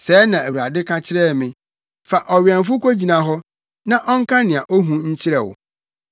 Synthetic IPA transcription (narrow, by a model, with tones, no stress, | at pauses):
sɛː˨˦nã˨æ˨wu˨a˨dɪ˦kʰa˦t͡ɕʰɪ˦ɾɛ˦˨mɪ̃˨ | fa˨ʔɔ˨ɥɛ̃˨n˨fʊ˦kʷo˦d͡ʑi˨nã˨ɦɔ˦ | nã˦ʔɔ˦ŋ̩˦kʰã˦nɪ̃˨a˨ʔɔ˦ɦũ˦ɲ̩˦t͡ɕʰɪ˦ɾɛ˨wʊ̰˨